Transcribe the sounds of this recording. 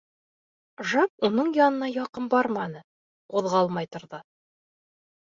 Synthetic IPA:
ʒɑp̚unɤɴjɒnɤ̆nɑjɒqɤmbɒɾmɑnɤ | quðʁɑɑlˠmɑjt̪ŏɾðɤ

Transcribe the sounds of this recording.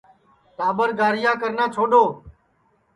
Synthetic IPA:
t̪aːbəɾɡaːɾɪjãːkəɾnãːt͡ʃʰoːɗoː

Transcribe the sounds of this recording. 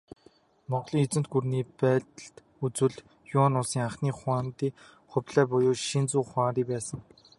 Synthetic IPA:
mɔʁɮiːŋet͡sɘ̆nt̪̚ɡurniːpæːt̪ə̆ɬt̪ | ut͡swɘ̆ɮ | jʊnʊsiːŋaχniːχwaːnt̪iː | χʊpʲɮæːpɔjʊːʃint͡suːχwaːɾiːpæːsə̆ŋ

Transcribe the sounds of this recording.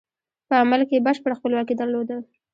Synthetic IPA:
pəamalkebəʃpəɽxpəlwɑkid̪aɾlod̪ə

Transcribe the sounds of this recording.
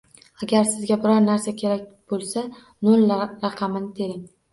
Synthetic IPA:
aɡʲaɾsɪzɡʲabɪɾɒɾnaɾsakʲʰe̞ɾak̚ʲb̥olˠsa | nolɾɑqʰɑmɪnɪt̪ʰe̞ɾɪŋ

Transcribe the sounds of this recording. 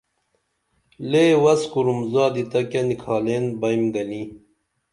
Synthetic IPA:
leːwɐskuɾumzɑːd̪it̪ɐkɐnikʰɑːleːnbɐjmɡɐni

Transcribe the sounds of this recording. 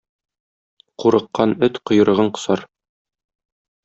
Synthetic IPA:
quɾɤ̆qːɑnɵt̪qŏjɤ̆ɾɤ̆ʁɤɴqŏ̥sɑɾ

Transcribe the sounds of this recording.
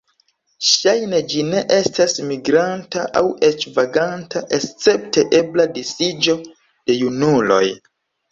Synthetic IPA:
ʃajne̞d͡ʒine̞ʔe̞stasmiɡɾantaʔa̰we̞t͡ʃvaɡantʰaʔe̞st͡se̞p̚te̞ʔe̞bladisid͡ʒo̞ | d̥e̞junulo̞̰j

